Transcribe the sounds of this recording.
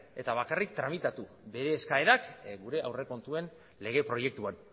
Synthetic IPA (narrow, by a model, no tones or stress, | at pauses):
e̞t̪aβ̞akarikt̪ɾamit̪at̪u | be̞ɾe̞ːskaeɾakɡuɾe̞ʔawre̞ko̞nt̪ue̞n | le̞ɣ̞e̞pɾo̞je̞k̚t̪uan